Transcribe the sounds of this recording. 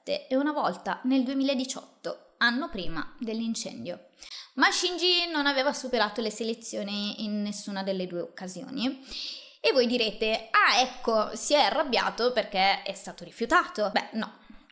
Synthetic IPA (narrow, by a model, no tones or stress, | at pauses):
t̪ːḛunavɔlt̪aneld̪uemiːlaed̪it͡ʃɔ̰t̪ːo | anːopɾiːma̰d̪elːint͡ʃɛ̰nd̪jo | maʃːind͡ʒinonaveːvasupeɾaːt̪oleselet̪sːjoːniinːesːuːnad̪elːed̪uːeokːazjo̰ːni | evːojd̪iɾeːt̪eaɛkʰːosiɛarːabːja̰ːt̪operk̟eɛst̪aːt̪oɾifjut̪aːt̪obɛnɔ̰